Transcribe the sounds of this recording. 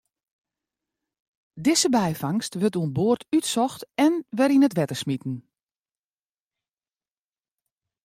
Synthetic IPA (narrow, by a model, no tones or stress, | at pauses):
dɪsəbɛjfaŋstʋətuənboərtʰytsɔxtɛnʋɛɾinətʋɛtəsmitn̩